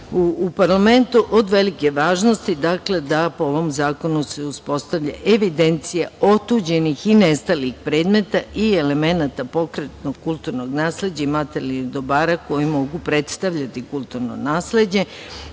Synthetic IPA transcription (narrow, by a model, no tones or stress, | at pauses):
uːpaɾlame̞nt̪uʔo̞d̪ʋe̞like̞ʋaːʒno̞st̪id̪akle̞d̪apooʋo̞mzaːko̞nuse̞uspo̞st̪aʋʎaʔeʋid̪e̞nt̪sijao̞t̪uːd͡ʑe̞nixinest̪alixpɾe̞ːd̪me̞t̪aʔieleme̞nat̪apo̞kɾet̪no̞ɡkːulˠt̪uɾno̞ɡnaːsle̞d͡ʑaimat̪e̞lid̪o̞baːɾako̞jimo̞ɡupɾe̞t̪st̪aʋʎat̪ikulˠt̪uɾno̰naːsle̞d͡ʑɲe̞